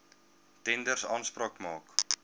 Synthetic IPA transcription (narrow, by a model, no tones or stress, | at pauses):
tɛndərsɑːnspɾɑːkmɑːk